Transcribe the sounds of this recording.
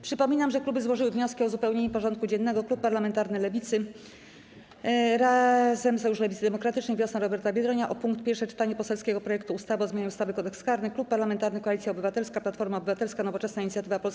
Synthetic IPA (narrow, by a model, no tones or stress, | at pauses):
pʂɘpɔmʲinamʐɛklubɘzwɔʐɘwɘvɲɔskʲiɔzupɛwɲeɲupɔʐɔnt̪̚kud͡ʑɛnːɛɡɔklupːaɾlamɛnt̪aɾnɘlɛvʲit̪sɘ | ɾazɛmsɔjuʂlɛvʲit̪d̪ɛmɔkɾat̪ɘt͡ʂnɛjvʲjɔsnaɾɔbɛɾt̪abʲjɛd̪ɾɔɲaʔɔpuŋkt̪pʲjɛɾʂɛt͡ʂɘ̥t̪aɲɛpɔsɛlskʲɛɡɔpɾɔjɛk̚t̪uːst̪avɔzmjaɲɛust̪avɘkɔd̪ɛkskaɾnɘklupːaɾlamɛnt̪aɾnɘkɔalʲit̪sʲjaɔbɘvat̪ɛlskaplat̪fɔɾmaɔbɘvat̪ɛlskanɔvɔt͡ʂɛsnaiɲit̪sʲjat̪ɘvapɔls